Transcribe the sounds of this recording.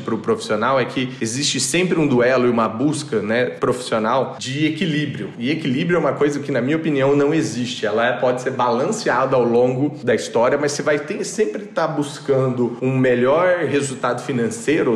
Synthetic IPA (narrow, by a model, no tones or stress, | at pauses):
pɾʊpɾofi̥sionawɛkʰɪezist͡ʃɪsẽmpɾɪũd̪uɛlʊɪũmɐbuskɐnɛpɾofi̥sionawd͡ʒɪekilibɾiʊɪekilibɾiʊɛũmɐkojzɐkɪnɐmĩɲɐopiniɐ̃w̃nɐ̃w̃ezist͡ʃɪɛlɐɛpɔd͡ʒɪseɾbalɐ̃siad̪ɐawlõɡʊd̪ɐist̪ɔɾiɐmɐsevajt̪ẽsẽmpɾɪt̪abuskɐ̃nd̪ʊũmeʎɔɾɦezuwt̪ad̪ʊfinɐ̃seɾʊ